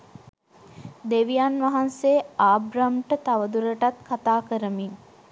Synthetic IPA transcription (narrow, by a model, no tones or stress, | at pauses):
d̪eʋijanʋɐɦanseːaːbɾamʈət̪aʋəd̪uɾəʈat̪kat̪aːkəɾəmin